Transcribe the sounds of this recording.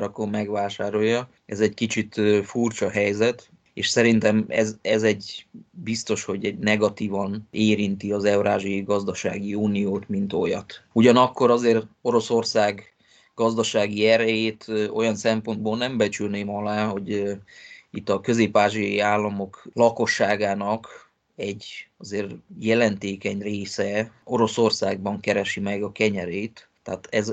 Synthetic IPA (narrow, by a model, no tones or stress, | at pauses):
ɾɒkommɛɡʋaːʃaːɾo̞jːɒ | ɛzɛckit͡ʃit̪furt͡ʃɒɦɛjzɛt̪ | ḛːʃsɛɾint̪ɛmɛ̰zɛzɛɟbist̪o̞ʃho̞ɟɛɟnɛɡɒt̪iːvɒneːɾint̪iɒzɛwɾaːʒiɒjiɡɒzd̪ɒʃa̰ːɡiuːnijoːt̪mint̪o̞jɒ̰t̪uɟɒnɒkːo̞ɾɒzeːro̞ɾo̞so̞rsaːɡ | ɡ̥ɒzd̪ɒʃaːɡiɛɾɛjeːt̪o̞̰jɒnsɛmpo̞nd̪boːlnɛmbɛt͡ʃylneːmɒlaːɦo̞ɟ | it̪ːɒkø̞zeːpaːʒijɒjiaːlːɒmo̞klɒko̞ʃːaːɡaːnɒk | ɛɟːɒzeːrjɛlɛnt̪eːkɛɲreːsɛo̞ɾo̞so̞rsaːɡ̚bɒŋkɛɾɛʃimɛɡɒkɛɲɛɾeːt̪ːɛ̰ːt̪ɛz